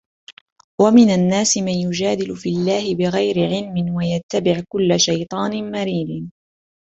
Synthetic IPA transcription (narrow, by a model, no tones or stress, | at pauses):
wamɪnanːaːsɪmaːjʊd͡ʒaːd̪ɪlʊfilːaːhɪbɪɣajɾɪʕɪlmɪnwajat̪ːabɪʕkʊlːaʃajt̪ˤɑːnɪmaɾiːd̪